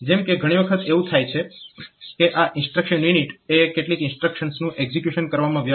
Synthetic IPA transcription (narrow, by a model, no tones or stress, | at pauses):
d͡ʒɛmkeɡʱəɽ̃iʋəkʰət̪eʋũt̪ʰajt͡ʃʰe | keʔaʔɪnsʈɾəkʃənjuniʈekeʈlikɪnsʈɾəkʃənsnũʔeɡzikjuʃənkəɾʋamãʋjə